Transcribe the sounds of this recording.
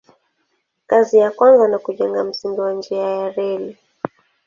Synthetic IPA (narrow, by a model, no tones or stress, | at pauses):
kazijakwanzanakuʄɛŋɡam̩siŋɡiwand͡ʒiajaɾɛli